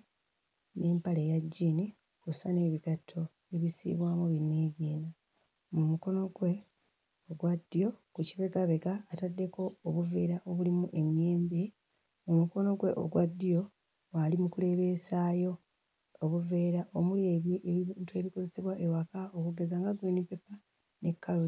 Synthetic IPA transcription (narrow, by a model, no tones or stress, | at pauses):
ne̞ːmpalejaɟːiːni | kusane̞ːβiɡatʰːo̞ | eβisḭβwaːmuβinːeɡiːna | mumuko̞no̞ɡwe̞ | oɡwadːijo̞kuciβe̞ɡaβe̞ɡaːtadːe̞ko̞oβuve̞ːɾaʔoβulimuʔe̞mjeːmbi | mumuko̞no̞ɡwe̞ʔo̰ɡwadːijo̞ | walimukule̞βe̞ːsaːjo̞ː | βuve̞ːɾaʔomuleβjiʔentwe̞ːβiko̞ze̞seβwaʔewakao̞kuɡe̞zaŋɡaɡwenipe̞pa | ne̞kːalu